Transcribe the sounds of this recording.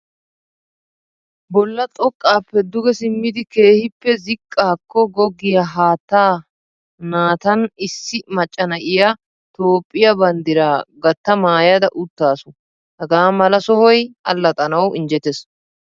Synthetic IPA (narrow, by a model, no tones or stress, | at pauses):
bɔlːɐt̪ʼɔkʼːaːpːɛd̪ʊɡɛsɪmːɪd̪ɪke̞ːhɪpːɛzɪkʼːaːkːɔɡɔɡːɪjɐɦaːt̪ːaː | naːt̪ɐnɪsːɪmɐt͡ʃʼːɐnɐʔɪjɐ | t̪oːpʼːɪjɐbɐnd̪ɪɾaːɡɐt̪ːɐmaːjɐd̪ɐʔʊt̪ːaːsʊ | hɛɡaːmɐlɐsɔhɔjɐ̰lːɐt̪ʼɐnɐwɪnd͡ʒɛt̪es